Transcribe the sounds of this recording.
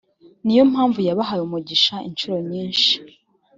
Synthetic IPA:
nijo̞m̥haːɱvujaβaɦajumuɟiʃaint͡ʃuɾo̞ɲiːnʃi̥

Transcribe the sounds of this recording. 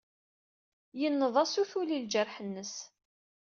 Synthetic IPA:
jənːəðˤæsuθulild͡ʒəɾħənːəs

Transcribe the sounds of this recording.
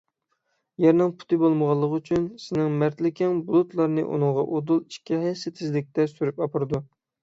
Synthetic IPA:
jɛɾnɪŋpʰu̥t̪ʰɨbolˠməʁɑlˠːəʁyt͡ʃʰynsɪnɪŋmæɾt̪lɪkʲɪŋbulˠut̪lˠɑɾnɨ̰ʔṵnɨŋʁɑʔod̪ulˠiʃkʲiɦɛjsɪt̪ʰɪzlɪk̚ʲt̪ɛsyɾypɑpʰɨɾɨd̪u

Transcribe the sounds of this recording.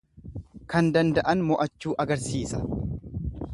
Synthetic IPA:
kɐnd̪ɐnd̪ɐʔɐnmɔʔɐt͡ʃːuːʔɐɡɐɾsiːsɐ̥

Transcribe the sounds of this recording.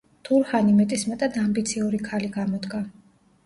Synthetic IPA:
t̪ʰuɾχanimɛt̪ʼismɛt̪ʼad̪ambit̪sʰiuɾikʰaliɡamɔd̪ɡa

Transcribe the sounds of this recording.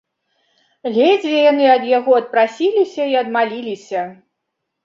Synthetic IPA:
lʲed͡zʲvʲɛjan̪ɨɐd̪jaɣɔɐt̪̚pɾasʲilʲisʲɐiɐd̪malʲilʲisʲɐ

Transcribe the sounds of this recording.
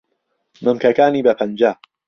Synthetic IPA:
mɨmkɐkaːniːbɐpʰɐnd͡ʒaː

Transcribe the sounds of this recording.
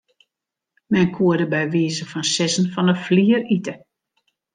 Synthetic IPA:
mɛnkʰuədəbɛjʋiːzəfɔnsɪsən̩fɔnəfliːəritə

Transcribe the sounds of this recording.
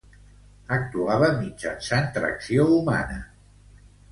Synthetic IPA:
ək̚t̪uaβəmid͡ʒa̰nsant̪ɾə̰ksiouma̰nə

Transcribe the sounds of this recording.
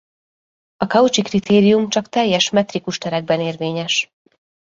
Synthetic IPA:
ɒkɒut͡ʃikrit̪ʰeːɾijumt͡ʃɒkt̪ɛjːɛʃmɛt̪rikuʃt̪ɛɾɛɡ̚bɛneːrveːɲɛʃ

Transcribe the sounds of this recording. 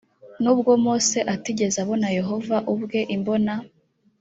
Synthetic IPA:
nuːbɡo̞moːse̞ʔatiɟe̞zaβo̞naje̞ɦo̞vaʔubɡe̞ʔimbo̞na

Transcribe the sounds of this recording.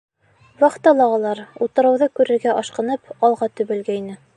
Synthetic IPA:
wɑχt̪ɑlˠɑʁɑlˠɑɾut̪ɤ̆ɾɤ̆wðɤkʉɾɘ̆ɾɡæʔɑʃqɤ̆nɤpɑlˠʁɑt̪ɵ̆βɘ̆lɡæinɘ

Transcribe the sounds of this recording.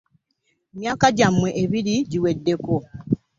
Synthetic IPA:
mjaːkaɟamːweʔeβiɾiɟiwedːe̞ko

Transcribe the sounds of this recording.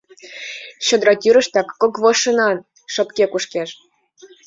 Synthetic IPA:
ɕŏd̪ɾɑt̪yɾə̆ʃt̪ɑkːokβɤʃɤ̆nɑn | ʃɤ̆pkekuʃkeʃ

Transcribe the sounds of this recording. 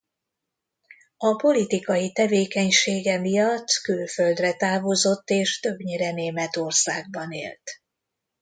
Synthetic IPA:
ɒpo̞lit̪ikɒjit̪ɛveːkɛɲʃeːɡɛmijɒt̪ːkylføld̪rɛt̪aːvozo̞t̪ːeːʃt̪ø̞bɲeɾɛneːmɛt̪o̞rsaːɡ̚bɒnḛːlt̪

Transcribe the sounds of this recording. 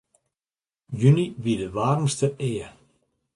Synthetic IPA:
jyniʋidəʋaːrmstəʔɪːə

